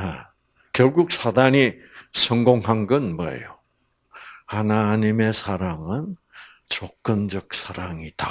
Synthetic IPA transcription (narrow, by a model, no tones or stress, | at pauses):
e | kjʌɭɡuk̚sʰadaɲi | sʰʌŋɡoŋɦaŋɡɯnmʌḛjo | hanaɲime̞sʰaɾaŋɯn | t͡ɕok̚k͈ɯnd͡ʑʌk̚sʰaɾaŋida